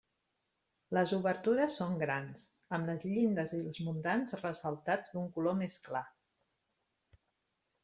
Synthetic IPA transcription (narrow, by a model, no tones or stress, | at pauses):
ləzuβəɾt̪uɾəsːoŋɡɾans | əmləzʎind̪əzilˠzmunt̪anzrəsəlˠt̪ad͡zd̪uŋkulomeskla